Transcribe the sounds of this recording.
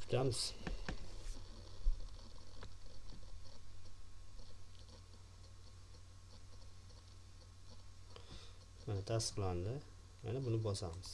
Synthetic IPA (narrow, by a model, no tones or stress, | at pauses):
kʰʊ̥t̪ʰamɪz̥ | manat̪ʰast̪ɨ̥qland̪ɪ | ja̰nabʊnɪbɒsamɪz̥